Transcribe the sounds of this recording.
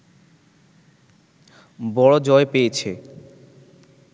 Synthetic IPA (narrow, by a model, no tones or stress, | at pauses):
bɔɽod͡ʑɔepejet͡ɕʰe